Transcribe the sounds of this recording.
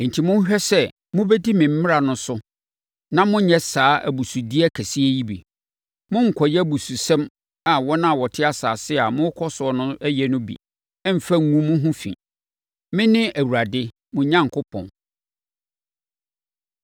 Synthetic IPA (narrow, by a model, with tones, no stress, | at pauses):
n̩˨tʰi˨mʊ̃˦n˦ɦᶣɛ˦sɛ˦ | mʊ̃˦bɛ˦di˦mɪ̃˨m̩˦mɪ˦ɾa˨nʊ̃˦sʊ˦ | nã˦mʊ̃˦ɲɛ˦saː˨˦ʔæ̰˨bu˨su˨di˦ɛ˦kʰæ˨si˦e˦ji˦bḭ˨ | mʊ̃˦ŋ̩˨kʰɔ˨jɛ˦˨bu˨su˨sɛ̃˦m | a˨wɔ˦nã˦˨wɔ˨tʰɪ˦a˦saː˨sɪ˦a˨mʊ̃˦kʰɔ˦sʊ˨˦ɔ˨˦nʊ̃˦æ˦jɛ˦nʊ̃˦bḭ˨ | ɛ˦m̩˨fæ˦˨ŋ˨ŋũ˦mʊ̃˦ɦũ˦fḭ̃˨ | mɪ̃˦nɪ̃˦ʔæ˨wu˨ɾa˨dɪ˦ | mʊ̃˨ɲã˦ŋ̩˨kʰʊ˦pʰɔ̰̃˨n